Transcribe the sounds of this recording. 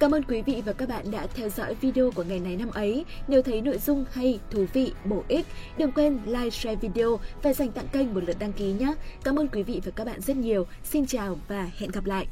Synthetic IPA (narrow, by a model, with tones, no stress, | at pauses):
kaː˨˦mʔəː˧nkwi˨˦vḭ˧˨vaː˨˩kaː˦˥k̚ɓa̰ː˧˨nɗa̰ː˧˥t̪ʰɛ˧wzɔ̰˧˥jvi˧ɗe˧o˧ku˧˩əŋa˨˩jŋa˨˩jna˧mʔə˨˦jɲe˨˩wt̪ʰə˨˦jno̰˧˨jzʊ˧ŋ͡mha˧jt̪ʰu˨˩vḭ˧˨ɓo˧˩ʔi˦˥k̚ɗɨ˨˩əŋkwe˧nlaː˧jsɛ˧vi˧ɗe˧o˧vaː˨˩za˨˩jŋ̟t̪a̰˧˨ŋkə˧jŋmo˨˩lə˨˩t̚ɗa˧ŋki˨˦ɲaː˧˦kaː˨˦mʔəː˧nkwi˨˦vḭ˧˨vaː˨˩kaː˦˥k̚ɓa̰ː˧˨nzə˦˥t̚ɲi˨˩əw | si˧nt͡ɕaː˨˩wvaː˨˩hɛ̰˧˨nɣa˨˩p̚la̰ː˧˨jʔ